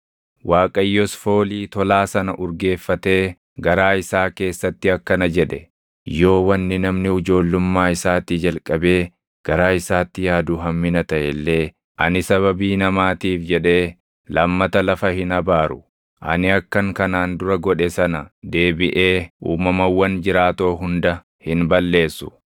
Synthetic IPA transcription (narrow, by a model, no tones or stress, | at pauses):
waːkʼɐjːɔsfo̞ːliːt̪ɔlaːsɐnɐʔʊɾɡe̞ːfːɐt̪e̞ː | ɡɐɾaːɪsaːke̞ːsːɐt̪ːɪɐkːɐnɐd͡ʒɛᶑɛ | jo̞ːwɐnːɪnɐmnɪhʊd͡ʒo̞ːlːʊmːaːɪsaːt̪id͡ʒɐlkʼːɐbe̞ː | ɡ̥ɐɾaːɪsaːt̪ːɪjaːd̪ʊɦɐmːɪnɐt̪ɐʔɛlːe̞ː | ʔɐnɪsɐβɐbiːnɐmaːt̪iːfd͡ʒɛᶑe̞ː | lɐmːɐt̪ɐlɐfɐhɪnɐbaːɾʊ | ʔɐ̰nɪɐkːɐŋkɐnaːnd̪ʊɾɐɡɔᶑɛsɐnɐd̪e̞ːbɪʔe̞ːuːmɐmɐwːɐnd͡ʒɪɾaːt̪o̞ːɦʊnd̪ɐ | hɪnbɐlːe̞ːsːʊ̥